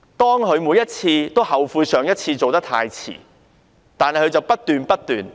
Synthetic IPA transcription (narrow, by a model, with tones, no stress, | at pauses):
t̪ɔː˥ŋkɵ˨˧ɥmuː˨˧jɐ˥t̚t͡sʰiː˧t̪o˥whɐ˨wfuː˧sœː˨ŋjɐ˥t̚t͡sʰiː˧t͡so˨wt̪ɐ˥k̚t̪ʰa̰ː˧jt͡sʰḭː˨˩ | t̪aː˨nhɐ˨jkʰɵ˨˧ɥt͡sɐ˨wpɐ˥t̚t̪yː˨npɐ˥t̚t̪yː˨˩n